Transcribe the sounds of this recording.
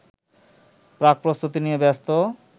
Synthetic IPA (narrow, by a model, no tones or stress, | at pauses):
pɾak̚pɾost̪ut̪inijebɛst̪o